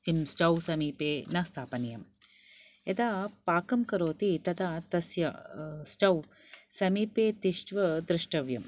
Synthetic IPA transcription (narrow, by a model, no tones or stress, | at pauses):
imsʈɐwsɐmiːpeːnɐst̪ʰaːpɐnijɐm | ed̪aːpaːkɐmkɐɾoːt̪it̪ɐd̪aːt̪ɐsjɐsʈɐw | sɐmiːpeːt̪iʃʈʋɐd̪ɾɪʂʈɐʋjɐm